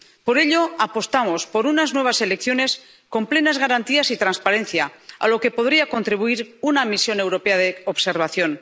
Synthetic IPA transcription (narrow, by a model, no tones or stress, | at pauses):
po̞ɾe̞ʎo̞apo̞st̪amo̞spo̞ɾunaznwe̞β̞ase̞lekθjone̞s | ko̞mple̞nazɣaɾant̪iasit̪ɾanspaɾẽ̞nθjaa̰lo̞ke̞po̞ðɾiako̞nt̪ɾiβuiɾunamisjo̞ne̞wɾo̞pe̞aðeoβse̞ɾβ̞aθjo̞n